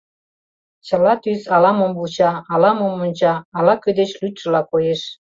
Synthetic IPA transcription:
t͡ɕə̆lɑt̪yzɑlɑmombult͡ɕɑɑlɑmomont͡ɕɑːlɑkød̪et͡ɕlyt̪ʲʃəlɑkojeʃ

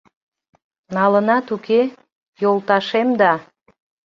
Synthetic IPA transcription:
nɑlənɑt̪ukʰe | jolˠt̪ɑʃemd̪ɑ

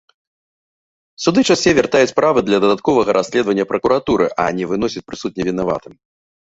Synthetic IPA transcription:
sud̪ɨt͡ʂasʲɛvʲart̪ajut͡sʲpɾavɨd̪lʲɐd̪ɐd̪at̪̚kɔvɐɣɐɾasʲlʲɛd̪vɐnʲːɐpɾɐkuɾat̪uɾɨʔɐ̰nʲɛvɨnɔsʲit͡sʲpɾɨsut̪̚nʲɛvʲin̪ava̰t̪ɨm

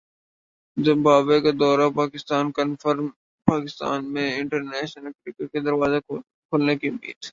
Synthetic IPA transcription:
zɪmbʱaːbekad̪ɔːɾapaːkɪst̪aːnkənfəɾm | paːkɪst̪a̰ːnmẽɪ̃ɳʈəɾnɛːʃnəlkɾiːkaked̪ɐɾʋaːze | kʰʊːlnekiʊmːḭːd̪

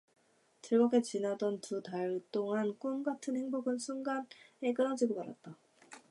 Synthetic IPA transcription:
tɯɭɡʌɡet͡ɕinadʌntutaɭt͈oŋank͈unɡatʰɯnhe̞ŋboɡɯnsʰunɡane̞k͈ɯnad͡ʑiɡopaɾa̰t̚t͈a

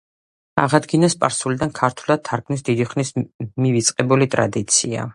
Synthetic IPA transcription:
aʁad̪ɡinaspʼaɾsulid̪ankʰaɾt̪ʰwlˠad̪̚t̪ʰːaɾɡmnisd̪id̪iχnismivit̪sʼqʼɛbulit̪ʼɾa̰d̪it̪sʰia̰

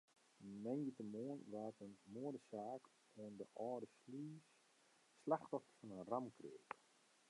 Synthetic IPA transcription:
mɛnjətəmoənʋaːtənmoədəsaːk | oəndəʔɔːdəsliːs | slaxtɔfəfɔnənramkreək

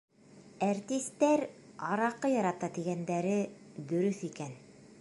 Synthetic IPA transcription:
æɾt̪ist̪ːæɾ | ɑɾɑqɤjɑɾɑt̪ɑt̪iɡænd̪æɾɘd̪ɵ̆ɾɵθikæn

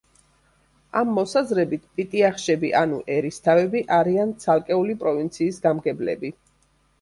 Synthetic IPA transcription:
amːɔsazɾɛbit̪ʰpʼit̪ʼiaχʃɛbiʔanṵʔɛɾist̪ʰavɛbiʔaɾiant̪sʰalˠkʼɛulipʼɾɔvint̪sʰiːsɡamɡɛblɛ̰bi

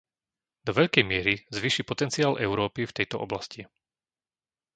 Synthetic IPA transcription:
d̪ɔʋɛʎkɛjmɪɛɾizʋiːʃipɔt̪ɛnt͡siaːlʔɛʊɾɔːpift̪ɛjt̪ɔʔɔ̰blasci

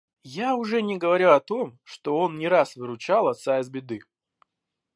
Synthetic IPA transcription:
jaʊʐɛnʲɪɡəvɐɾʲuɐt̪o̞mʂt̪o̞o̞nnʲɪɾasvɨɾʊt͡ɕalˠɐt̪saɪzbʲɪd̪ɨ

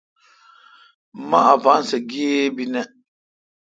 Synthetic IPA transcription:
maʔavansɛɡiebinɛ

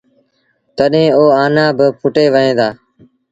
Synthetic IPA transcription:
t̪əɗɦẽːoːaːnãːbɪpʰʊʈeːʋəɦẽːd̪aː

